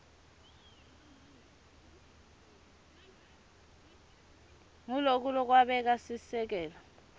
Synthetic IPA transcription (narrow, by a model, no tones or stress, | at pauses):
ŋulok̬ʼulɔk̬waɓɛk̬asisɛk̬ɛːla